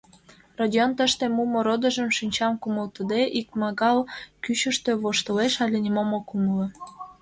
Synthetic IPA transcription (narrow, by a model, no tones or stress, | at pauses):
radʲiont̪əʃt̪emumoɾod̪ə̆ʒə̆mʃynʲt͡ɕɑmkuməlt̪əd̪eʔik̚mɑɣɑlkyɕə̆ʃt̪ø̆βoʃt̪əleʃɑlʲenʲimomokumlə̆